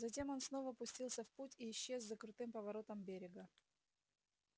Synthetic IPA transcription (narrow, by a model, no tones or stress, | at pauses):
zɐtʲe̞mo̞nsno̞vəpʊsʲtʲilˠsʲəfputʲiːɕːe̞zːəkɾʊt̪ɨmpəvɐɾo̞t̪əmbʲeɾʲɪɡə